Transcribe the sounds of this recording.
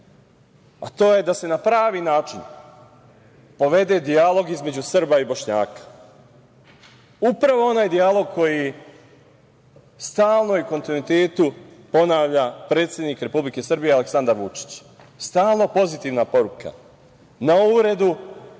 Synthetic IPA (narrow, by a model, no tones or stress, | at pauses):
a̰t̪o̞ːje̞d̪ase̞napɾaːʋiːnaːt͡ʃin | po̞ʋe̞d̪e̞d̪ialˠo̞ɡizme̞d͡ʑusrbaibo̞ʃɲaːkḁ | upɾaʋo̞o̞naːjd̪ialˠo̞ɡ̚kʰo̞ji | st̪aːlˠno̞uko̞nt̪inuit̪e̞ːt̪upo̞naːʋʎapɾe̞t̪sje̞d̪niːkɾe̞publike̞sr̩bije̞ale̞ksand̪aɾʋut͡ʃi̥t͡ɕ | st̪aːlˠno̞po̞zit̪iːʋnapo̞ɾuka̰ | nauɾe̞d̪u